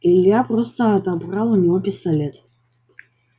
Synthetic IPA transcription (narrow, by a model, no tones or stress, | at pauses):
ilʲːijaprɔst̪əːt̪abralˠunʲivɔpʲist̪alʲet̪ʰʼ